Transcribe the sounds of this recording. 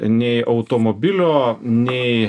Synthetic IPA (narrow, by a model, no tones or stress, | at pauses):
nʲɛɪʔɐʊt̪oːmoːbʲɪlʲoːnʲɛɪ